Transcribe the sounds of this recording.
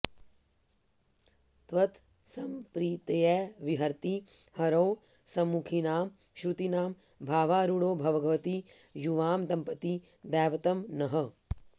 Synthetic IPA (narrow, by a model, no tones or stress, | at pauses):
t̪ʋɐt̪ | sɐmpɾiːt̪ɐjɛːʋiɦɐɾt̪ihɐɾoːsɐmːukʰinaːm | ʃɾut̪inaːmbʱaːʋaːɾuɽoːbʱɐʋɐɡɐʋɐt̪ijuʋaːmd̪ɐmpɐt̪id̪ɛːʋɐt̪ɐmnɐɦɐ